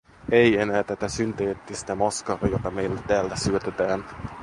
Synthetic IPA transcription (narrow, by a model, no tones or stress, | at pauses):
ejenæːt̪æt̪æsynt̪eːt̪ːist̪æmɑskɑɾɑjot̪ɑme̞ijlːætt̪ːæːlt̪æsyøt̪et̪æːn